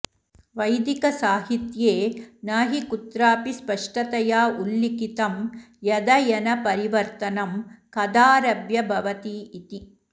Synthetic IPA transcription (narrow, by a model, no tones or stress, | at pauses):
ʋɐjd̪ikɐsaːɦit̪jeːnaːɦikut̪ɾaːpispɐʂʈɐt̪ɐjaːʔulːikit̪ɐm | jɐd̪ɐjɐnɐpɐɾiʋɐɾt̪ɐnɐmkɐd̪aːɾɐbjɐbʱɐʋɐt̪iit̪i